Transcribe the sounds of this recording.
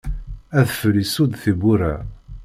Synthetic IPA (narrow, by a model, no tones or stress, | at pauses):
æðfəlisud̪θibuɾæ